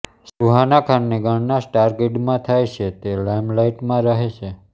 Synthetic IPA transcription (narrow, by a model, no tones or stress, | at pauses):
suɦanakʰanːeɡəɳnasʈaɾɡeʈmãt̪ʰajt͡ʃʰet̪elajmlaiʈmãɾəɦeʃe